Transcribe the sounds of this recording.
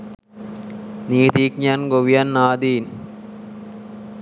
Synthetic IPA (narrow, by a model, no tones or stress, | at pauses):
niːt̪iːkɲanɡoʋijanːaːd̪iːn